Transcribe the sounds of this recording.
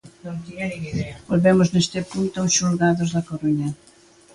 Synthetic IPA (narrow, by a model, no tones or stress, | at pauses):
bolβɛmʊznest̪ɪpunt̪oʊsʃulɣaðʊzðɐkoɾuɲɐ